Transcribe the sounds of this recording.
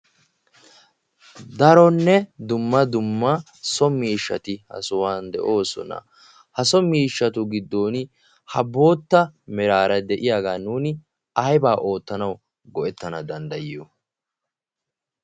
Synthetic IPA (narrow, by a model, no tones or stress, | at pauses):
d̪ɐɾɔnːɛd̪ʊmːɐd̪ʊmːɐ | sɔmiːʃːɐt̪ɪhɐ̰sʊwaːnd̪ɛ̰ʔo̞ːsɔ̰nɐ̰ | hɐsɔmiːʃːɐt̪ʊɡɪd̪ːo̞ːn | hɐbo̞ːt̪ːɐmɛɾaːɾɐd̪ɛʔɪjaːɡaːnuːnɪ | ɐjbaːʔo̞ːt̪ːɐnɐw | ɡɔʔɛt̪ːɐnɐd̪ɐnd̪ɐjɪjo